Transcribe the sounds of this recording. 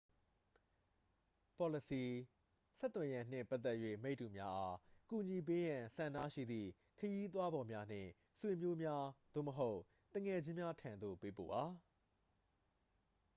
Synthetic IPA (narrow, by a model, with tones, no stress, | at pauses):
pɔ˨lə˨si˨ | sɛ˦t̪wɛ̃˨jã˨n̥ɪ̰̃˦˨mpa˦t̪ːɛ˦ʔjwḛ˦˨me˦ɪtːu˨mja˦ʔa˦ku˨ɲi˨p̬e˦jã˨sã˨nda̰˦˨ʃḭ˦˨d̪ðḭ˦˨ | kʰəji˦t̪̬wa˦bɔ˨mja˦n̥ɪ̰̃˦˨ | swe˨mjo˦mja˦d̪̥o̰˦˨məɦo˦ʊʔ | t̪ə˨ŋɛ˨d͡ʑɪ̃˦mja˦tʰã˨nd̪o̰˦˨pe˦po̰˦˨ba˨